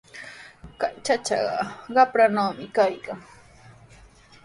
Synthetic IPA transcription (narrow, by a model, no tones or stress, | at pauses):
kajt͡ʃat͡ʃɑ̰ɢɑ̰ɢɑpɾanaːmɪkajkaŋ